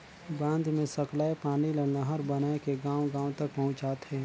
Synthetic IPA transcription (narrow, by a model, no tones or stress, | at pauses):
bãːnd̪mẽsɐklaːepaːnilɐnaɦəɾbɐnaːekeɡãːw̃ɡãːõt̪ɐk̚pɐɦʊ̃t͡ʃaːt̪ɦɛː